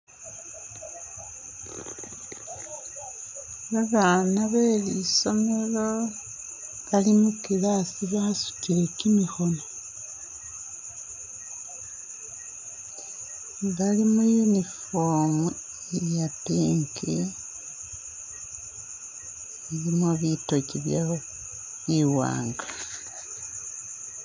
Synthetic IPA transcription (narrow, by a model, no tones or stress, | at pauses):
βaβanaβeliso̞me̞lo | βalimukilasiβahasu̥tiɾe̞kimixo̞no | βalimujunifoːmu | ejapiŋki | iβimoβitociβja | iwa̰ːŋɡa